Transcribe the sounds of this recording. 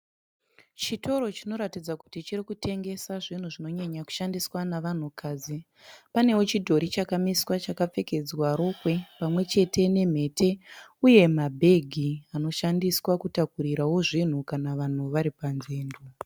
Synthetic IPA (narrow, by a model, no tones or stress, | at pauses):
t͡ʃito̞ɾo̞t͡ʃino̞ɾatid͡zaku̥tit͡ʃirikute̞ŋɡe̞saʐin̤uʐino̞ɲaɲaku̥ʃandiswanaʋan̤ukaːd͡zi | pane̞wo̞t͡ʃidʱo̞ɾit͡ʃakamiswat͡ʃakap͡fe̞ke̞d͡zwaɾo̞kwe̞pamwe̞t͡ʃe̞tʰe̞ne̞m̤e̞ːtʰe̞uje̞mabʱe̞ɡʱiano̞ʃandiswakutakuɾiɾawo̞ʐin̤ukanaʋan̤uʋaɾipanzeːndu